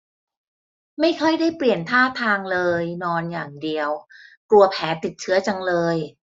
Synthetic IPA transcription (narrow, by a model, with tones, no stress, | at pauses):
ma˥˩jkʰɔ˥˩jdaː˥˩jpli˨˩ənt̪ʰaː˥˩t̪ʰaː˧ŋlɤː˧jnɔː˧njaː˨˩ŋdi˧əwklu˧ɐpʰɛː˩˦t̪i˨˩t̪̚t͡ɕʰɯ˦˥ɐt͡ɕa˧ŋlɤː˧j